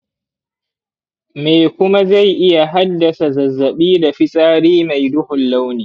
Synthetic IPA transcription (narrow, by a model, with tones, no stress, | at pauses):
meː˨kʷʊ˦ma˦za˦˨jʔɪ˦ja˨ɦa˦dːɐ˨sa˨zɐ˨zːɐ˨ɓiː˦da˨ɸɪ˦sʼaː˦ɽiː˦ma˨jdʊ˦hʊ˨lːa˦wniː˨